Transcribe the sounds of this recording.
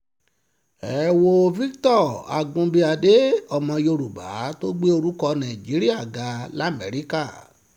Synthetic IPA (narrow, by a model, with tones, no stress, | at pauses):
ɛ˨˦wo˧vi˦ktɔ˦˨a˨ɡũ˧bi˧a˧de˦ɔ˧˨mɔ̃˧jo˧ɾu˨ba̰˨˦to˦ɡ͡be˦o˧ɾu˦kɔ˧nã˨ĩ˨d͡ʒi˨˦ɾi˦a˦˨ɡa˨˦la˦˨mɛ˨˦ɾi˦ka˦˨